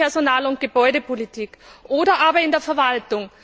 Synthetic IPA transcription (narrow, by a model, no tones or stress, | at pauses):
ɛɐzonaːlʊnt̚ɡ̥əbɔʏɾəpʰolitʰiːkʔoːdɐʔaːbɐɪndeːɐfɛɐvaltʊŋ